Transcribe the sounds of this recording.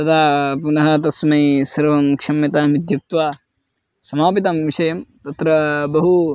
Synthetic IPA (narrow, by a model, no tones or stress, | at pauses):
t̪ɐd̪aːpunɐɦɐt̪ɐsmɐjsɐɾʋɐmkʂɐmjɐt̪aːmid̪ʱjɐk̚t̪ʋaː | sɐmaːpit̪ɐmʋiʃɐjɐmt̪ɐt̪ɾɐbɐɦu